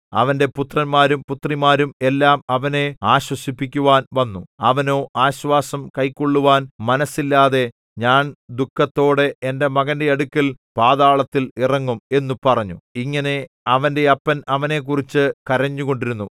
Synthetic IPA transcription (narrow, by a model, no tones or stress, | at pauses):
ɐ̰ʋɐnde̞put̪rɐnmaːɾumput̪rimaːɾume̞lːaːmɐʋɐne̞aːɕwɐsipːikʲːuʋaːnʋɐnːuɐʋɐno̞ːʔaːɕʋaːsɐmkɐjkːoɭːuʋaːnmɐnɐsːilːaːðe̞ | ɲaːnd̪ukːɐt̪ːo̞ːɽe̞ende̞mɐɣɐnde̞ɐɽukʲːɐlpaːðaːɭɐt̪ːilirɐŋːume̞nːupɐrɐɲːuiŋːɐne̞ | ɐʋɐnde̞ɐpːɐnɐʋɐne̞ːk̬ːurit͡ɕːɨkɐɾɐɲːuɣo̞ɳɖiɾunːu